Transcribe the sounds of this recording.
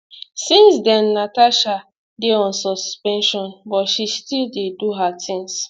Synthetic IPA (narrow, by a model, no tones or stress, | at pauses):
sĩnsdɛ̃nːataʃa | deɔ̃nsɔspɛ̃nʃɔ̃nbɔtʃistildeduɦatʰĩŋs